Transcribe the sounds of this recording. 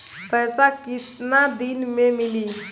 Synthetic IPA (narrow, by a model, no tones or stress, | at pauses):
pəjsakit̪nad̪inmemili